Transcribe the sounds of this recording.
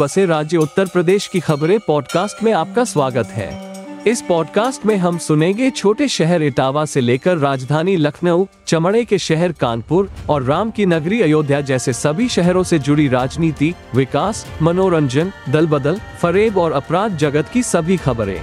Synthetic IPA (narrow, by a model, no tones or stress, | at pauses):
ɐseɾaːd͡ʒjəʊt̪ːəɾpɾɐd̪eːʃkixɐbɾẽpɔːɖkaːsʈmẽaːp̚kasʋaːɡət̪ɦɛ̰ːɪspɔːɖkaːsʈmẽɦɐmsʊnẽːŋɡet͡ʃʰoːʈeʃɛɦɛɾɪʈaːʋaseleːkəɾːaːd͡ʒd̪ʱaːnilɐkʰnəw | t͡ʃɐmɽekeʃɛɦɛɾkaːnpʊɾɔːɾːaːmkinɐɡɾiɐjoːd̪ʱjad͡ʒɛːsesɐbʱiʃɛɦɾõsed͡ʒʊɽiɾaːd͡ʒniːt̪iʋɪkaːsmɐnoːɾə̃ɲd͡ʒənd̪ɐlbəd̪əlfɐɾeːbɔːɾɐpɾaːd̪̚d͡ʒɐɡət̪kisɐbʱixɐbɾḛ̃ː